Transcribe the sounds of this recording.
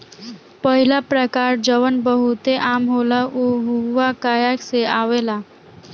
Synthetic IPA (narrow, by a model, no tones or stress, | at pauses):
pəɦilapɾəkaɾd͡ʒəʋənbəɦut̪eʔamɦolaʔoɦuʋakajakseaʋela